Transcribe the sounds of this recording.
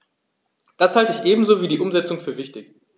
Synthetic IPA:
d̥ashaltəɪçʔeːbm̩zoːviːdiːʔʊmzɛt͡sʊŋfyːɐvɪçtɪç

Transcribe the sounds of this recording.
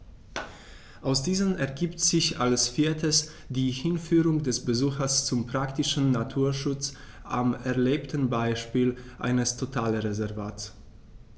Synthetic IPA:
ʔaʊsd̥iːzənʔɛɐɡiːptz̥ɪçʔalsfiːɐtʰəs | d̥iːhɪnfyːʁʊŋdɛsbəzuːxɐst͡sʊmpʁ̥aktɪʃn̩natʰuːɐʃʊt͡s | ʔamɛɐleːptn̩baɪʃpiːlʔa̰ɪnəstʰotʰaːləʁezɛɐvaːts

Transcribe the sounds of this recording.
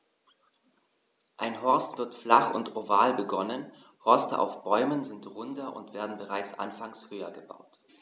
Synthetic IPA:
ʔaɪnɦɔɐstv̥ɪɐtflaχʊ̰ntovaːlbəɡɔnən | hɔɐstəʔa̰ʊfb̥ɔʏmənzɪntʁʊndɐʔʊ̰ntv̥eːɐdn̩bəʁaɪt͡sʔa̰nfaŋshøːɐɡəba̰ʊt

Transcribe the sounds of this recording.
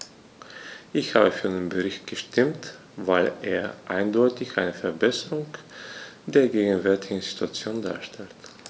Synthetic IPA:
ʔɪçha̰ːbəfyːɐannbəʁɪçt̚ɡ̥əʃtʰɪmt | vaɪlʔeːɐʔaɪndɔʏtɪçʔaɪnəfɛɐbɛsəʁʊŋ | d̥eːɐɡeːɡn̩vɛɐtɪɡŋ̩z̥ituat͡sjoːnda̰ːɐʃtɛlt

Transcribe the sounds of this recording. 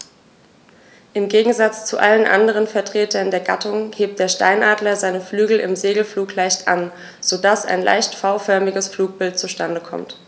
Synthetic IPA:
ʔɪmɡeːɡŋ̩zat͡st͡suʔa̰lənʔa̰ndəʁ̞ənfɛɐtʁ̥eːtɐndeːɐɡatʰʊŋheːp̚t̚d̥eːɐʃta̰ɪnʔaːdlɐzaɪnəflyːɡl̩ʔɪ̰mzeːɡl̩fluːklaɪçtʔan | z̥odasa̰ɪnla̰ɪçtfaʊfœɐmɪɡəsfluːk̚b̥ɪlt̚t͡suʃtandəkʰɔ̰mt

